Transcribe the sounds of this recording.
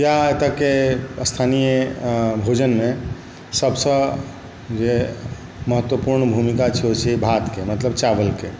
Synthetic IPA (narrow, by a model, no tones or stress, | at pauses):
jaet̪akest̪ʰanijəbʱod͡ʒənme | səbsə̃ | d͡ʒe | məɦət̪wəpuɾɳbʱumikat͡ʃʰɛɦot͡ʃʰibʱat̪kemət̪ləbt͡ʃabəlke